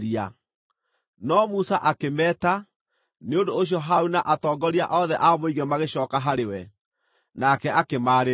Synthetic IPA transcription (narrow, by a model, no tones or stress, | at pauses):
ɾia | nɔmusaʔakemɛːta | neondoːɕ̬jɔɦaunaʔatɔːɡɔɾiaʔɔðɛʔamoiɣɛmaɣeɕɔːkaɦaɾewɛ | nakɛʔakemaːɾe